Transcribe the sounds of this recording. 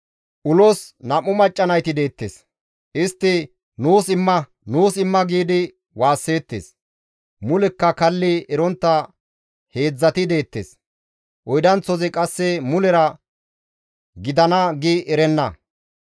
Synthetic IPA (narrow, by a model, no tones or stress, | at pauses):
ʔʊlɔsnɐmːʊmɐt͡ʃʼːɐnɐjt̪ɪd̪e̞ːt̪ːeːs | ʔɪst̪ːɪ | nuːsɪmːɐ | nuːsɪmːɐɡiːd̪ɪ | waːsːe̞ːt̪ːḛːs | mʊlɛkːɐkɐlːɪɛɾɔnt̪ːɐ | he̞ːd͡zːɐt̪ɪd̪e̞ːt̪ːḛs | ʔɔjd̪ɐnt͡sːɔzɛkʼɐsːɛmʊlɛɾɐ | ɡɪd̪ɐnɐɡiʔɛɾɛnːɐ